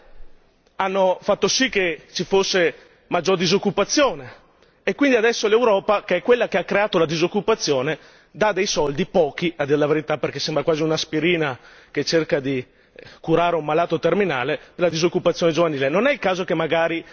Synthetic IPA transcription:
anːofat̪ːosikːet͡ʃifosːe | mad͡ʒːord̪izokːupat̪sːjoːne | ekwind̪iad̪ɛsːolewɾɔːpakeɛkːwelːakeakːɾeaːt̪olad̪izokːupat̪sːjoːne | d̪ad̪ejsɔld̪ipɔːkiad̪ːiɾelaveɾit̪aperkesembɾakwaːziunaspiɾiːna | ket͡ʃerkad̪i | kuɾaːɾeumːalaːt̪ot̪erminaːlepelad̪izokːupat̪sjoːned͡ʒovaniːlenonɛilkaːzokemːaɡaːɾi

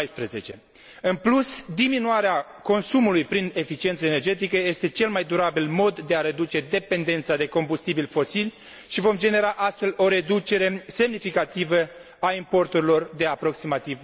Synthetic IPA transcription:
jspɾeze̞t͡ʃe̞̰ | ɨnplusd̪iminuaɾea | ko̞nsumulujpɾine̞fit͡ʃient̪səene̞rd͡ʒe̞t̪̬ikəje̞st̪e̞t͡ʃe̞lmajd̪uɾabilmo̞d̪ːe̞aɾe̞d̪ut͡ʃe̞d̪e̞pe̞nd̪e̞nt̪sad̪e̞ko̞mbust̪ibilfo̞silʲ | ʃivo̞md͡ʒe̞ne̞ɾaʔast̪fe̞lo̞ɾe̞d̪ut͡ʃe̞ɾe̞se̞mnifikat̪ivə | aimpo̞rt̪uɾilo̞rd̪e̞apɾo̞ksimat̪iv

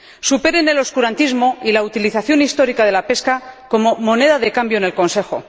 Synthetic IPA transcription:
supe̞ɾe̞ne̞lo̞skuɾant̪izmo̞ʔilaut̪iliθaθjo̞nist̪o̞ɾikað̞e̞lape̞skako̞mo̞mo̞ne̞ðaðe̞kambjo̞ne̞lko̞nse̞xo̞̰

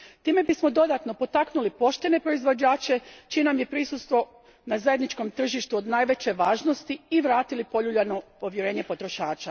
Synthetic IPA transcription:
t̪iːme̞bismo̞d̪o̞d̪at̪no̞po̞t̪aknulipo̞ʃt̪e̞ne̞pɾo̞izʋo̞d͡ʑaːt͡ʃe̞t͡ʃijenamje̞pɾisust̪ʋo̞ | nazaed̪nit͡ʃko̞mt̪r̩ʒiʃt̪uod̪naːjʋe̞t͡ɕe̞ʋaːʒno̞st̪iiʋɾaːt̪ilipo̞ʎuʎano̞po̞ʋje̞ɾe̞ːɲe̞po̞t̪ɾo̞ʃaːt͡ʃa

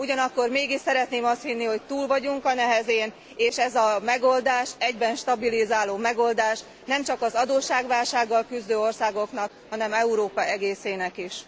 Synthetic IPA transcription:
uɟɒnɒkːo̞rmeːɡiʃsɛɾɛt̪neːmɒst̪hinːiho̞c̚t̪uːlvɒɟuŋkɒnɛɦɛzeːn | eːʃɛzɒmɛɡo̞ld̪aːʃɛɟbɛnʃt̪ɒbilizaːloːmɛɡo̞ld̪aːʃ | nɛmt͡ʃɒkɒzɒd̪oːʃːaːɡʋaːlʃaːɡːɒlkyzd̪øːo̞rsaːɡo̞knɒkhɒnɛmɛuɾoːpɒʔɛɡeːseːnɛkiʃ

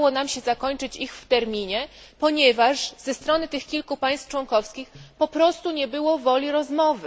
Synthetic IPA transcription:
wɔnamɕɛzakɔɲt͡ʂɘt͡ɕixft̪ɛɾmʲiɲɛpɔɲɛvaʂz̥ɛst̪ɾɔnɘt̪ɘxkʲilkupaj̃st̪ft͡ʂwɔŋkɔfskʲixpɔpɾɔst̪uɲɛbɘwɔvɔlʲiɾɔzmɔvɘ

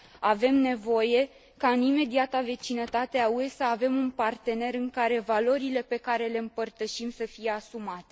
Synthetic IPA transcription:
ave̞mne̞vo̞je̞ | kaɨnime̞d̪iat̪ave̞t͡ʃinət̪at̪eaue̞saːve̞munpart̪e̞ne̞ɾɨŋkaɾe̞valo̞ɾile̞pe̞kaɾe̞le̞ɨmpərt̪əʃimsəfije̞asumat̪e̞

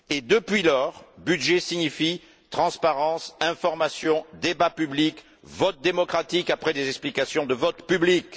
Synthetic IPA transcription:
ed̪əpɥilɔʁbyd̪ʒesiɲifi | t̪χɑ̃spaʁɑ̃sɛ̃fɔʁmasjɔ̃d̪ebapyblik | vɔt̪̚d̪emɔkχat̪ikapχɛd̪ezɛksplikasjɔ̃d̪əvɔt̪pyblik

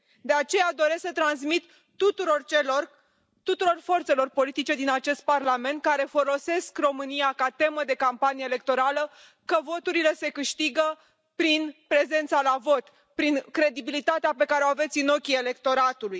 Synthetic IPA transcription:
d̪e̞at͡ʃe̞jad̪o̞ɾe̞sksət̪ɾansmit̪ː | ut̪uɾort͡ʃelor | t̪ut̪uɾo̞rfo̞rt̪se̞lo̞rpo̞lit̪it͡ʃe̞d̪inat͡ʃe̞st̪̚parlame̞nt̪̚kaɾe̞fo̞lo̞se̞skro̞mɨniakat̪e̞məd̪e̞kampanijeːle̞k̚t̪o̞ɾalə | kəvo̞t̪uɾile̞se̞kɨʃt̪iɡə | pɾinpɾe̞ze̞nt̪salavo̞t̪ | pɾiŋkɾe̞d̪ibilit̪at̪eapekaɾeoave̞t̪sino̞kʲie̞le̞kt̪o̞ɾat̪uluj

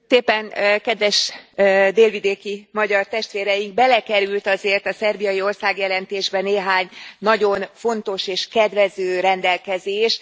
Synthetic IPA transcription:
t̪eːpːɛnkɛd̪ʋɛʃ | d̪eːlvid̪eːkimɒɟɒrt̪ɛʃt̪ʋeːɾɛjiŋɡ̚bɛlɛkɛɾylt̪ɒzeːrt̪ɒsɛrbijɒjio̞rsaːɡjɛlɛnt̪eːʒbɛneːɦaːɲnɒɟo̞nfo̞nt̪o̞ʃeːʃkɛd̪vɛzøːɾɛnd̪ɛlkɛzeːʃ

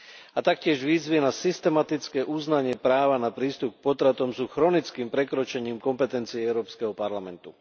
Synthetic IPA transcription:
at̪akcɪɛʒʋiːzʋinasist̪ɛmat̪it͡skɛːʔuznaɲɪɛpɾaːʋanapɾiːst̪up̚k̚pɔt̪ɾat̪ɔmsuːxɾɔnit͡skiːmpɾɛkɾɔt͡ʃɛɲiːmkɔmpɛt̪ɛnt͡siɛɛʊɾɔːpskɛɦɔpaɾlamɛnt̪u

